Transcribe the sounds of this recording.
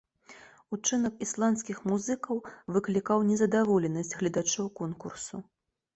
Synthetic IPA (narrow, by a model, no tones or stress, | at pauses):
ut͡ʂɨnɐkislˠant̪skʲixmuzɨkɐwvɨklʲikawnʲɛzɐd̪avɔlʲɛnɐsʲt͡sʲɣlʲɛd̪at͡ʂɔwkɔnkursu